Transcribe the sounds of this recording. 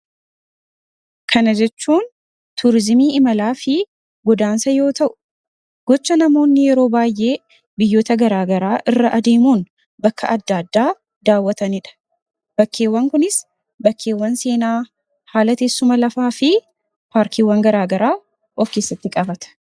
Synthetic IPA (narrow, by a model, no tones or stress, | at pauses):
kʰɐnɐd͡ʒɛt͡ʃːuːn | t̪ʊɾɪzɪmiːɪmɐlaːfɪ | ɡɔd̪aːnsɐjo̞ːt̪ɐʔʊ̥ | ɡ̥ɔt͡ʃːɐnɐmo̞ːnːɪjɛɾo̞ːbaːjʔe̞ː | bɪjːo̞ːt̪ɐɡɐɾaːɡɐɾaːʔɪrːɐʔɐd̪e̞ːmuːn | bɐkːɐ̰ʔɐd̪ːaːd̪ːaː | d̪aːwːɐt̪ɐnɪᶑɐ̥ | b̥ɐkːe̞ːwːɐŋkʊnɪs | bɐkʰːe̞ːwːɐnse̞ːnaː | haːlɐt̪eːsːʊmɐlɐfaːfɪ | paːɾkʰiːwːɐŋɡɐɾaːɡɐɾaː | ʔɔfke̞ːsːɐt̪ːɪkʼɐbɐt̪ɐ̥